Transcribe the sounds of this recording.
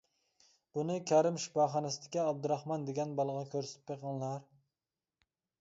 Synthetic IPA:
b̥unɪkʲʰæɾɪmʃi̥pɑːχɑnɛsɪd̪ɪ̥kʲiɑb̚d̪uɾɑχmɑnd̪eɡʲɛnbɑlˠəʁɑkʲʰøɾsɪt̪ʰɪpːeqəŋlˠɑɾ

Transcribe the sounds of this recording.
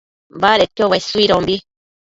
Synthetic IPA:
baɾet̪ːjoβaisuiɾõmbi

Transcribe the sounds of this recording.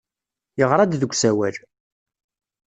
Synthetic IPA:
jəʁɾˤɑd̪ðəɡʷsæwæl

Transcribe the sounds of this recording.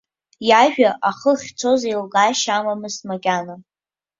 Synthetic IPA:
jaʒᶣaʔaχəχʲt͡sʰo̞zailɡaʃamamɨsmaɡʲʼana

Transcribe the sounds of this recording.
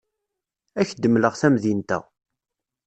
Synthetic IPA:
æçd̪əmləʁθæmðint̪æ̰

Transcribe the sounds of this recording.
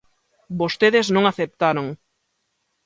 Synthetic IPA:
bost̪eðeznõŋaθep̚t̪aɾoŋ

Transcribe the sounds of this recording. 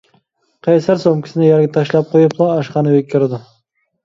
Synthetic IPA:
qʰɑjsæɾsomkʲʰɪ̥sɪnɪjɛɾɡʲɛt̪ʰɑʃlˠɑp̚qʰojuplˠɑːʃqɑnɨwøkʲʰːiɾɪd̪ʊ

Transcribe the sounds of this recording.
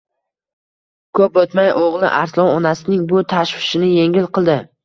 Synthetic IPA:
kʰɵpot̪majʔoʁlˠɪ̰ʔaɾslˠɒwɒnasɪnɪŋbʊt̪ʰaʃvɪ̥ʃɪnɪje̞ŋʲɪlˠqʰɨlˠd̪ɪ

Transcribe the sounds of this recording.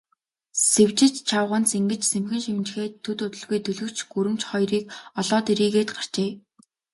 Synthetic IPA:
sewt͡ɕɪ̆t͡ɕt͡ɕʰawʁə̆nt͡seŋɡɘ̆t͡ɕsemxɘ̆nʃimnt͡ɕxeːt̪ʰːɵt̪ʊt̪ɵ̆ɮɣujt̪ɵɮɵ̆kt͡ɕɡuɾɘ̆m̥t͡ɕχɔjriːkɔɮɔːt̪iɾiːɣeːt̪ɢar̥t͡ɕeː

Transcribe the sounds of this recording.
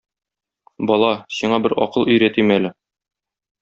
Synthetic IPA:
bɒlˠɑsiɴɑbɘɾɒ̰qɤlˠɵ̆jɾæt̪imælɘ

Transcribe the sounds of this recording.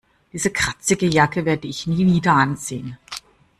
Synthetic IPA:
d̥iːzəkʁ̥at͡sɪɡəjakəveːɐdəɪçniːviːdɐʔanzeːən

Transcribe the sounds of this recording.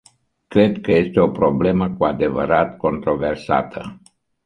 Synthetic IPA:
kɾe̞d̪kəje̞st̪eo̞pɾo̞ble̞məkuad̪e̞və̰ɾat̪ko̞nt̪ɾo̞versa̰t̪ʰə

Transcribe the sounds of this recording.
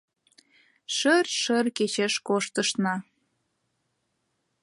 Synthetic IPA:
ʃərʃərket͡ɕeʃkoʃt̪əʃnɑ

